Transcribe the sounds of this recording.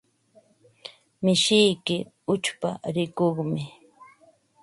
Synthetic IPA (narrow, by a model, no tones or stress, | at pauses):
mɪʃɪjkɪ | ʊt͡ʃpa̰ɾɪkoχmɪ